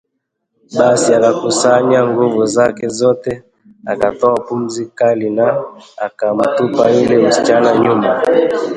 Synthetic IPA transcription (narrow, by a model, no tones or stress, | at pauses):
ɓasiakakusaɲaŋɡuvuzakɛzɔtɛ | akatɔapum̩zikalinaakam̩tupailɛm̩si̥t͡ʃanaɲuma